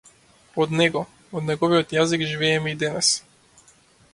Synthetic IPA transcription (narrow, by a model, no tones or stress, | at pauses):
pod̪nɛɡɔ | od̪nɛɡɔvijɔt̪jaziɡʒivɛːmɛid̪ɛnɛs